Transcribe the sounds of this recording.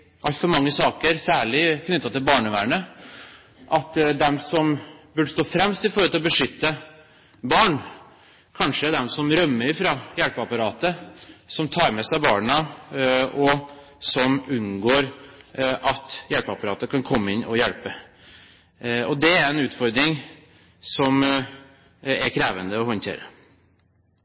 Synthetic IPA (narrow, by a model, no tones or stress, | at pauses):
ʔɑlt̪fɔɾmɑŋːəsɑːkəɾsæːɭɪknʏt̪ːɑt̪ɪlbɑːɳəʋæːɳə | ʔɑt̪d̪ɛmsɔmbʉɖst̪oːfɾɛmst̪ɪfɔɾɔlt̪lɔbəʂʏt̪ːə | bɑːɳ | kʰɑnʂəæd̪ɛmsɔmɾœmːəɾɪfɾɑːjɛlpəɑpɑɾɑːt̪əsɔmt̪ʰɑːɾmɛsæɪbɑːɳə | ɔ | sɔmʉnːɡoːɾ | ʔɑt̪jælpəɑpɑɾɑːt̪əkʰɑnkʰɔmːəɪnːɔ̰jɛlpə | ɔd̪ɛæɾɛnʉːt̪fɔɾd̪ɾɪŋ | sɔm | ɛɾkʰɾeːʋənd̪əɔhɔnt̪ʰḛːɾə̰